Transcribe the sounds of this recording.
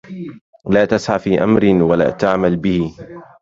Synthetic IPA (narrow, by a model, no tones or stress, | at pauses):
laːt̪asʕafiːʔa̰mɾɪwala̰ːt̪aʕmalbɪhɪ